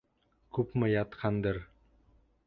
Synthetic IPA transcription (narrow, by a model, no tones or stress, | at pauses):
kʉpmɘ̆jɑt̪qʰɑnd̪ɤɾ